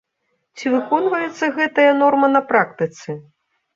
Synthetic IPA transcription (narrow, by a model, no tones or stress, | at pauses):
t͡sʲivɨkɔnvɐjɛt̪sːɐɣɛt̪ɐjɐnɔrmɐnɐpɾakt̪ɨt̪sɨ